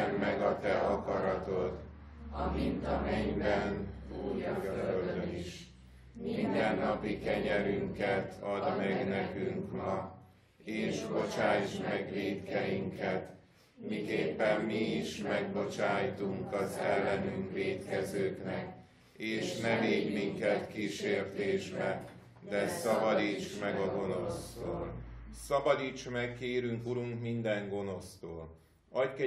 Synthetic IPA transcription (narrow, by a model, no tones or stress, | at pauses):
mːɛɡɒt̪ɛɒkɒɾɒt̪o̞t̪ | ɒmint̪ɒmɛɲbɛnujøld̪øniʃ | mind̪ɛnːɒpikɛɲɛɾyŋkɛt̪ʰɒd̪mɛɡnɛkyŋkmɒ | eːʃbo̞t͡ʃaːjd͡ʒmɛɡʋeːt̪kɛjiŋkʰɛt̪ | mikeːpːɛmːiiʃmɛɡbo̞t͡ʃaːjt̪uŋkɒzɛlːɛnyŋkveːt̪kɛzøːknɛk | eːʃnɛveːɲmiŋkɛt̪kiːʃeːrt̪eːʒbɛ | d̪ɛsɒbɒd̪iːt͡ʃmɛɡɒɡo̞no̞st̪oːlsɒbɒd̪iːt͡ʃmɛkkeːɾyŋkuɾuŋkmind̪ɛŋɡo̞no̞st̪oːl | ɒckɛ